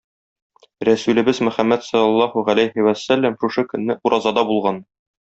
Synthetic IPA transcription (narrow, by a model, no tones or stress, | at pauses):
ɾæsʉlɘ̆bɘzmɵ̆χæmːæt̪sɒlːɑlˠːɑhuʁælæjhiwæsːælːæmʃuʃɤkɵ̆nːɘʔuɾʔɑzɑd̪ɑbulˠʁɑn